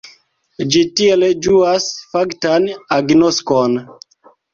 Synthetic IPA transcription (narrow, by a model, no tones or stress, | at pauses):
d͡ʒitieled͡ʒuasfaktanaɡnoskon